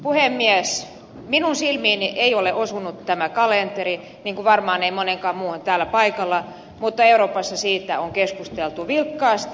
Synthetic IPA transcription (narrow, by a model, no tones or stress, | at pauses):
puhemːiæs | minunsilmiːniʔeioleʔosunut̪tæmækɑlent̪eri | niːŋkuʋɑrmɑːneimoneŋkɑːmmuːont̪æːlːˑæpɑikɑlːɑ | mut̪ːɑeuɾroːpɑsːɑsiːt̪æ̰oŋkeskust̪elt̪uʋilkːɑːst̪